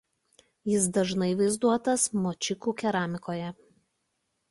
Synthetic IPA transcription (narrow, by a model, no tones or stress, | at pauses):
jɪsd̪ɐʒnɐɪʋɐɪzd̪uɔt̪ɐsmoːt͡ʃʲɪkuːkʲɛɾɑːmʲɪkoːjɛ